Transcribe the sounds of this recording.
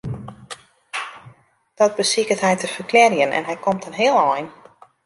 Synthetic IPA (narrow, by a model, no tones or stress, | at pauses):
d̥ɔt̚bəsikətɦɛjtəfərklɛrjənʔɛ̰nɦɛjkʰomtənɦɪːəlˠɔjn